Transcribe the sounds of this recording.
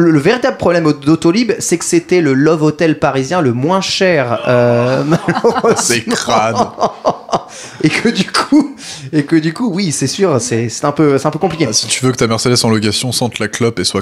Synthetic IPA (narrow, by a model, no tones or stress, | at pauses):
lələveʁit̪abləpχɔblɛmod̪ot̪olibsɛkə̥set̪ɛləlɔvot̪ɛlpaʁizjɛ̃ləmwɛ̃ʃɛʁømalɔsenk̪χan | ekʰəd̪ykʰuekəd̪ykuwisɛsyːʁsɛsɛ̥t̪ɛ̃pøsɛt̪ɛ̃pøkɔ̃plikʲesi̥t̪yvøkə̥t̪amɛʁsed̪ɛsɑ̃lɔk̬asjɔ̃sɑ̃t̪laklɔpeswa